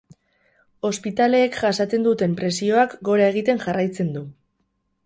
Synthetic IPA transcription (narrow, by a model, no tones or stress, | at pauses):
o̞spit̪ale̞ːkʝasat͡s̪e̞nd̪ut̪e̞mpɾe̞sio̞akɡo̞ɾae̞ɣ̞it̪e̞nʝarajt͡se̞nd̪u